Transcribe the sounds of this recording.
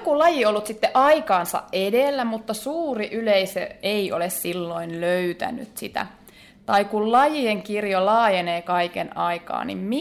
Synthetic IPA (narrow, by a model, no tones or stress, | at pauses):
kulɑjiolːut̪sit̪ːeʔɑikɑːnsɑ̰ʔʔedelːæmut̪ːɑsuːriʔyleisḛeiolessilːoinløyt̪æ̰ny̰t̪sḭt̪æ̰ | t̪ɑikullɑjieŋkirjolɑːjeneːkɑikḛnɑikɑ̰ːnḭmmi